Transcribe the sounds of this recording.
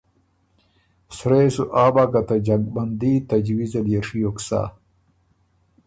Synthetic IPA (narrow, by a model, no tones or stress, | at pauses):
sɾeːsuʔaːbakɐt̪ɐd͡ʑɐɡ̚bɐnd̪iːt̪ɐd͡ʑwizɐljeʂijoksa̰ː